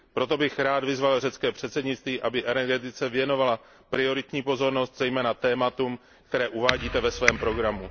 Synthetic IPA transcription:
pɾo̞t̪o̞bɪxɾaːd̪vɪzvalrɛtt͡skɛːpr̝̥ɛt̪sɛdɲɪt͡st̪viːʔabɪʔɛnɛɾɡɛt̪ɪt͡sɛvjɛno̞vala | pɾɪo̞ɾɪt̪ɲiːpo̞zo̞ɾno̞st̪zɛjmɛːnat̪ɛːmat̪um | kt̪ɛɾɛːʔuvaːɟiːt̪ɛvɛsvɛːmpɾo̞ɡɾamu

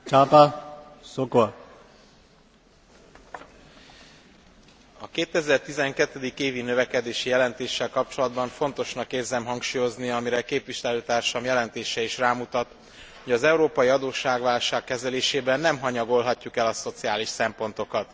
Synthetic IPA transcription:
t͡ʃaːpasoko | ɒkeːt̪ɛzɛrt̪izɛŋkɛt̪ːɛd̪ikeːvinøvɛkɛd̪eːʃijɛlɛnt̪eːʃːɛlkɒp̚t͡ʃo̞lɒd̪bɒɱfo̞n̪t̪o̞ʃnɒkːeːrzɛmɦɒŋkʃuːjo̞zniɒmiɾɛkeːpʋiʃɛløːt̪aːrʃɒmjɛlɛnt̪eːʃɛiʃraːmut̪ɒt̪ | ho̞ɟɒzɛuɾoːpɒjiɒd̪oːʃaːɡʋaːlʃaːkːɛzɛleːʃeːbɛnːɛmɦɒɲɒɡo̞lɦɒcːukɛlɒso̞t̪sijaːliʃsɛmpo̞n̪t̪o̞kɒt̪

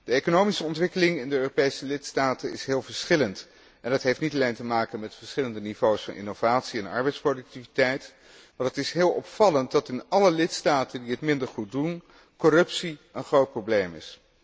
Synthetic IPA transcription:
d̥əejkonowmisəɔntʋɪkəlɪŋɪndəøːropejsəlɪtstaːtənɪ̰sɦɪːlˠvəɹsχɪlənt | ɛndɑtɦejftnitɑlejntəmaːkənmɛtfəɹsχɪləndənivowsfɑ̰nʔɪ̰nov̥aːtsiɛnɑ̰ɹbɛjtsprodɵk̚tivitɛjt | maɹətɪsɦɪːlˠʔɔpfɑlənt̚dɑtɪnɑləlɪtstaːtəndiɦətmɪndəɹχut̚dun | kɔrɵpsiənχrowt̚prowblejmɪ̰s

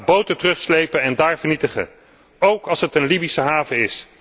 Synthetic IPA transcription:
bowtətərɵχslejpənɛndaːɹvəɹnitəχə̰ | owkɑlˠsɦətənlibisəɦaːvəɪs

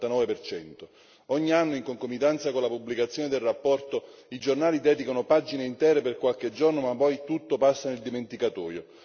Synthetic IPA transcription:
t̪anɔːvepert͡ʃɛnt̪o | ɔɲːianːoiŋkoŋkomit̪ɛnt̪sakonlapubːlikat̪sːjɔːned̪elrapːɔrt̪oid͡ʒornaːlid̪ɛːd̪ikanopad͡ʒineint̪ɛːɾeperkwalk̟ed͡ʒornomapːɔjt̪ut̪ːopasːaneld̪iment̪ikat̪ɔːjo

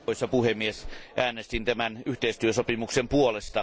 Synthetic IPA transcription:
isjɑpuhemːiesʔæːnest̪int̪æmænyht̪eist̪yøsopimuksempuolest̪ɑ

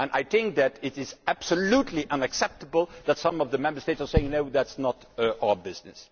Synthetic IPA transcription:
ə̃na̰ɪθɪ̃ŋk̚ðæɾɪɾɪzæb̥səlutʰˡliʔʌ̃nɨksɛp̚təbəl̩ˠðætsʌ̃mʌvðəmɛ̃mbə˞steɪtsə˞seɪɪ̃ŋnoʊðætsnət | ʔaʊə˞bɪznɨ̰s

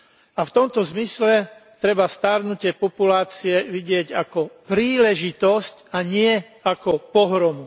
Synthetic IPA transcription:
aft̪ɔmt̪ɔzmislɛt̪ɾɛbast̪aɾnucɪɛpɔpulaːt͡siɛʋiɟɪɛɟakɔpɾiːlɛʒit̪ɔscaɲɪɛ | akɔpɔɦɾɔmu

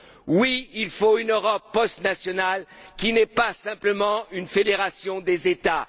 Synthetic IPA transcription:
wiilfoynøʁɔpːɔst̪nasjɔnalkʲinɛpasɛ̃pləmɑ̃ynfed̪eʁasjɔ̃d̪ezet̪a

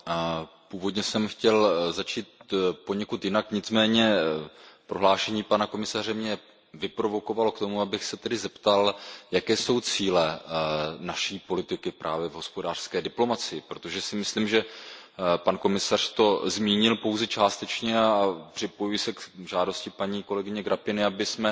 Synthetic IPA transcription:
puːvo̞dɲɛsɛmxcɛlzat͡ʃiːt̪̚po̞ɲɛkut̪jɪnakɲɪt͡smɛːɲɛ | pɾo̞ɦlaːʃɛɲiːpanako̞mɪsarɛmɲɛ | vɪpɾo̞vo̞ko̞valokt̪o̞muabɪxsɛt̪ɛdɪzɛpt̪aljakɛːso̞wt͡siːlɛ | naʃiːpo̞lɪt̪ɪkɪpɾʔa̰ːvjɛvɦo̞spo̞daːr̥skɛːdɪplo̞mat͡sɪjɪpɾot̪o̞ʒɛsɪmɪsliːmʒɛ | panko̞mɪsar̥t̪o̞zmiːɲɪlpo̞wzɛt͡ʃaːst̪ɛt͡ʃɲɛapr̝̥ɪpo̞jujɪsɛkʒaːdo̞scɪpaɲiːko̞lɛɡɪɲɛɡɾʔapɪnɪabɪsmɛ

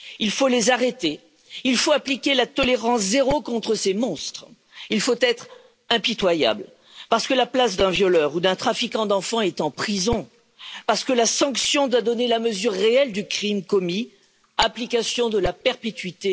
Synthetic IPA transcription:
ilfolezaʁet̪e | ilfoaplikʲelat̪ɔleʁɑ̃szeʁokɔ̃t̪χəsemɔ̃st̪χ | ilfot̪ɛt̪χ | ɛ̃pit̪waja̰bl | paʁsə̥kəlaplasd̪ɛ̃vjɔlœʁud̪ɛ̃t̪χafikɑ̃d̪ɑ̃fɑ̃ɛt̪ɑ̃pχizɔ̃ | paʁsə̥kəlasɑ̃ksjɔ̃d̪wad̪ɔnelaməzyʁːeɛld̪ykχimkɔmi | aplikasjɔ̃d̪əlapɛʁpet̪ɥit̪e

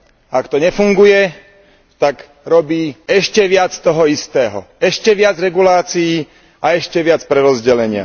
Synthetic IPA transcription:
akt̪ɔɲɛfuŋɡujɛ | t̪aɡ | ɾɔbiːɛʃcɛʋɪat͡st̪ɔɦɔist̪ɛːɦɔ̰ɛʃcɛʋɪad͡zɾɛɡulaːt͡sijiː | aɛʃcɛʋɪat͡spɾɛɾɔzɟɛlɛɲɪa̰

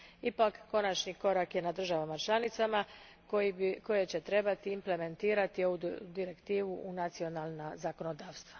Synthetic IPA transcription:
ipakːo̞nat͡ʃɲiko̞ɾakje̞nad̪r̩ʒaʋamat͡ʃlˠanit̪sama | ko̞jet͡ɕe̞t̪ɾe̞bat̪iːmple̞me̞nt̪iːɾat̪io̞ʋud̪iɾe̞kt̪iːʋuʔunat̪sio̞nalˠnazako̞no̞d̪aːʋst̪ʋḁ

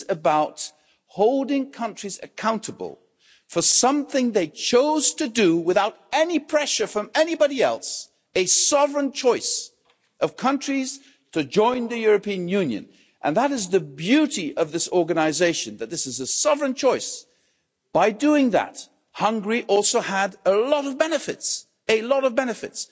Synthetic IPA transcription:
ɨbaʊt̚ | hoʊlˠdɪ̃ŋkʰʌ̃nt͡ʃɹ̥izɨ̰kʰãʊ̃ntəbə̰l̩ˠ | fə˞sʌ̃mθɪ̃ŋðeɪt͡ʃʰoʊz̥tʰɨdɨwɨθaʊɾɛnipʰɹ̥ɛʃə˞fɹʌ̃mɛnibɑɾiɛlˠs | ɨsɑvɹɨ̃nt͡ʃʰɔɪs | ʔʌv̥kʰʌ̃nt͡ʃɹ̥iz̥ | tʰɨd͡ʒɔ̃ɪ̃nðɨjʊɹɨpĩɨ̃njʉ̃njɨ̰̃n | ʔə̰̃nðəɾɨzðɨbjʉɾiʔʌvðɪsɔɹɡɨnɨzeɪʃɨ̃nðɨt̪̚ðɪsɨzɨsɑvɹɨ̃nt͡ʃʰɔɪs | b̥aɪduɪ̃ŋðə̰t̚ | hʌ̃ŋɡɹiʔɔlˠsoʊəɾəlɔɾʌvbɛnɨfɨ̰ts | ɨlɔɾʌvbɛnɨfɨ̰ts

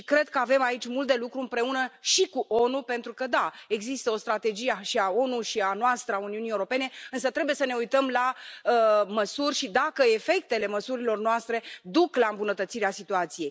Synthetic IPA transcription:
ikɾe̞d̪̚kəave̞mait͡ʃʲmult̪̚d̪e̞lukɾuɨmpɾe̞unəʃikuʔo̞nupe̞nt̪ɾukəd̪ae̞ɡzist̪əo̞st̪ɾat̪e̞d͡ʒijeaʃiao̞nuʃianoast̪ɾəauniunijewuɾo̞pe̞ne̞ɨnsət̪ɾe̞bujesəne̞ujt̪əmlaəməsurʲʃid̪akəe̞fe̞k̚t̪e̞le̞məsuɾilo̞rnoast̪ɾe̞d̪uklaɨmbunət̪ət̪siɾeasit̪uat̪sije̞j

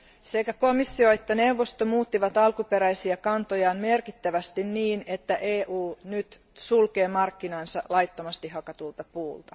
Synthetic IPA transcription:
sekækomisːioet̪ːænewʋːost̪omuːt̪ːiʋɑt̪ɑlkupeɾæjsiɑkɑnt̪ojɑːmmerkit̪ːæʋæst̪inniːnet̪ːæʔeːʔuːnyt̪ | sulkeːmɑrkːinɑnsɑlɑjt̪ːomɑst̪ihɑkɑt̪ult̪ɑpuːlt̪ɑ

